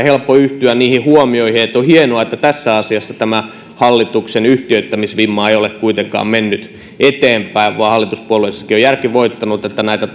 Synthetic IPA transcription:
helpːoyht̪yænniːhihuomioihiet̪ːohienoɑet̪ːæt̪æsːæɑsiɑsːɑt̪æmæ | hɑlːit̪uksenyht̪iøyt̪ːæmisʋimːɑːejolekkuit̪eŋkɑ̰ːmmenːyt̪ | et̪eːmpæiʋʋuɑhɑlːit̪uspuoleisːɑ̥kiojærkiʋoit̪ːɑnut̪et̪ːænæit̪æt̪

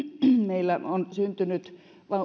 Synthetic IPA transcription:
meilːæonsynt̪ynyt̪ | ʋɑ

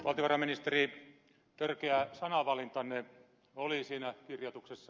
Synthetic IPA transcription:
ʋɑlt̪ioʋɑrɑminist̪eri | t̪ørkeæsɑnɑʋɑlint̪ɑne | olisiːnækirjot̪uksesːɑ

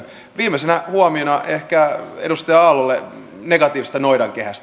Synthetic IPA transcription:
ʋiːmesenæhuɑmionɑʔehkæedust̪eɑɑlolːe | neɡɑt̪iːʋist̪ɑnoidɑŋkehæst̪

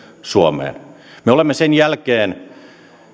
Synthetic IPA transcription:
suomḛːn | meolemːesenjælkeːn

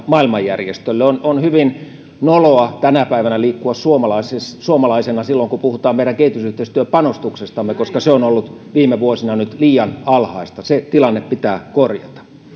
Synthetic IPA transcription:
mɑilmɑjjærjest̪ølːeononhyʋin | noloɑt̪ænæpæiʋænæliːkːuɑssuomɑlɑisessuomɑlɑisenɑsilːoŋkupuhut̪ɑːmmeiɾæŋkehit̪ysyht̪eist̪yøpɑnost̪uksest̪ɑmːekoskɑseonolːut̪ʋiːmeʋuosinɑnyt̪liːjɑnɑlhɑist̪ɑset̪ilɑnːeppit̪æːkorjɑ̰t̪ɑ̥

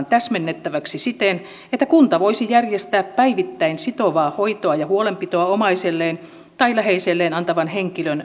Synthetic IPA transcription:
nt̪æsmenːet̪ːæʋæksisit̪en | et̪ːækunt̪ɑʋoisijærjest̪æːppæiʋit̪ːæinsit̪oʋɑːhoit̪oɑjɑhuolempit̪oɑomɑiselːeːn | t̪ɑilæheiselːeːnɑnt̪ɑʋɑnheŋkiløn

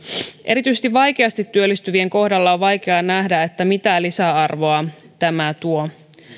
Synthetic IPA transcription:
ʔe̞ɾit̪yisest̪iʋʋɑjkeɑst̪it̪ːyølːist̪yʋieŋko̞hdɑlːɑoʋʋɑjk̟e̞ɑnæhdæe̞t̪ːæmit̪ælisæɑrʋo̞ɑ | t̪æmæt̪uo̞

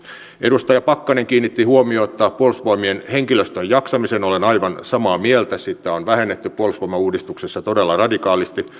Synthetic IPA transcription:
ʔedust̪ɑjɑpɑkːɑneŋkiːnːit̪ːihuomioːt̪ːɑːppuolsʋoimienheŋkiløst̪øjɑksɑmisenolenɑiʋɑnsɑmɑːmielt̪æsit̪ːæonʋæhenːet̪ːypuolsʋomɑuːdist̪uksesːɑt̪odelːɑrɑdikɑːlist̪i

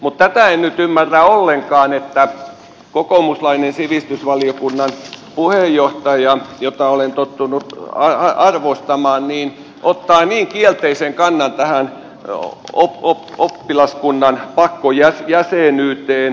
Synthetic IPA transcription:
mut̪t̪æt̪æennyt̪ymːærːæolːeŋkɑːnet̪ːæ | kokomuslɑinensiʋist̪ysʋɑliokunːɑnpuhejjoht̪ɑjɑjot̪ɑolent̪ot̪ːunut̪ɑɑɑrʋost̪ɑmɑːnniːn | ʔot̪ːɑːniːŋkielt̪eiseŋkɑnːɑnt̪æhæn | o̰opopːilɑskunːɑnpɑkːojæsjæseˑnyːt̪eːn

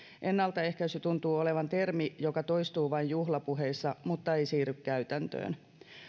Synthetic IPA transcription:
ʔenːɑlt̪ɑe̞hkæset̪unt̪uːoleʋɑnt̪ermijokɑt̪ojst̪uːʋɑinjuhlɑpuɦeːsːɑmut̪ːɑejsiːrykkæyt̪ænt̪ø̰ːn

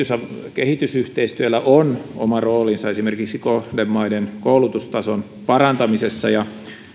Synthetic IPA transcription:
ysɑkehit̪ysyht̪eist̪yælːæʔono̰mɑroːlinsɑesimerkiksikohdemːɑidenkoulut̪ust̪ɑson | pɑrɑnt̪ɑmisesːɑ̰jɑ

